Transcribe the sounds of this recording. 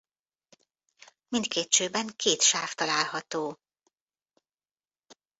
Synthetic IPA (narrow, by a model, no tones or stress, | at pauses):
mint̪̚kʰeːt̪ʃøːbɛŋkʰeːt̪ʃaːft̪ɒlaːlhɒt̪oː